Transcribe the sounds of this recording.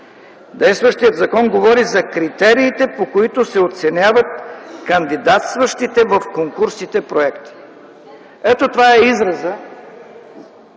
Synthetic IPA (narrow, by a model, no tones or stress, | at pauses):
d̪ɛjst̪vəʃt̪iət̪zɐkɔnɡovɔɾizɐkɾit̪ɛɾiːt̪ɛpokoit̪osɛot̪sɛnʲjavət̪̚kɐnd̪id̪at̪st̪vəʃt̪it̪ɛvəfkoŋkuɾsit̪ɛpɾoɛkt̪i̥ | ɛt̪ot̪ovaɛizɾɐzə